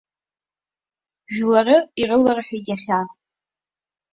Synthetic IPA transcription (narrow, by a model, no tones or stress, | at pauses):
ʒᶣlarɨirɨlaraħaidaχʲa